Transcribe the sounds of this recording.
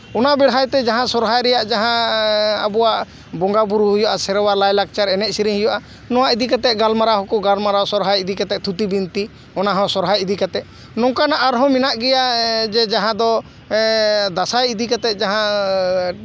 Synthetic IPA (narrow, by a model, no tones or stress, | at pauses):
ɔnabɛɽɦajt̪ɛd͡ʒaɦãsɔɾɦajɾɛjaʔd͡ʒaɦãa̰bɔwaʔ | bɔŋɡabuɾuɦujɔʔasɛɾɔwalajlak̚t͡ʃaɾɛnɛʔ̚siɾĩɦujɔʔa | nɔwaʔid̪ikat̪ɛʔ̚ɡalmaɾaɦɔkɔɡalmaɾasɔɾɦajid̪ikat̪ɛt̪ʰut̪ibint̪i | ɔnaɦɔ̃sɔɾɦajid̪ikat̪ɛ | nɔ̃ŋkanaʔːɾɦɔ̃minaʔɡɛjad͡ʒɛd͡ʒaɦãd̪ɔ | d̪asajid̪ikat̪ɛt̪̚ˀd͡ʒaɦã